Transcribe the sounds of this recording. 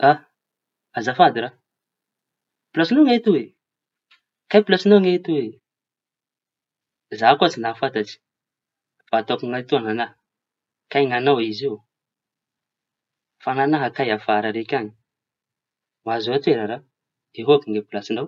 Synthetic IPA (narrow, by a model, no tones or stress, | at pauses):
a | azafad̪iɾa | pulasinaŋet̪uwe | kajpilasinawŋet̪uwe | zakuat͡sinafat̪at͡si̥ | fat̪akuŋat̪oananaɦ | kajŋanawizi | fananaɦakajafaɾaɾekʲaɲi̥ | wazoat̪eɾaɾa | d̪eɦoakuŋepilasinaw